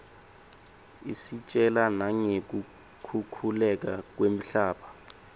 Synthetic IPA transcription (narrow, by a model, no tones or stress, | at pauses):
isit͡ʃʼɛlanaŋek̬u | kʰukʰulɛk̬ak̬wem̩ɬaːpʰḁ